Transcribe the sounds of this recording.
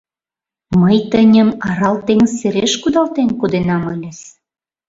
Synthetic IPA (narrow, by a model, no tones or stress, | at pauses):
məjt̪ənʲəmɑɾɑlt̪eŋəːeɾeʃkud̪ɑlt̪enkod̪enɑmə̆lʲĕs